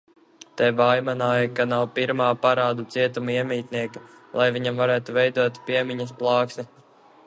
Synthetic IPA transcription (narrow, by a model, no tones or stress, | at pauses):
t̪ɛvajmanaːjakanawpiɾmaːpaɾaːd̪ut̪siɛt̪umuiɛmiːt̪niɛka | lˠajviɲamvaɾæːt̪uvɛjd̪uɔt̪pʲiɛmiɲɐsplˠɑːksnʲi